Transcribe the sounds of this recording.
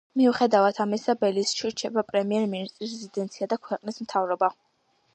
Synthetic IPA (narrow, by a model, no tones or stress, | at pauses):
miuχɛd̪avat̪ʰamisabɛlisʃʰiɾt͡ʃʰɛbapʼɾɛmiɛɾminist̪ʼɾisɛzid̪ɛnt̪sʰiad̪akʰwɛqʼnismt̪ʰavɾɔba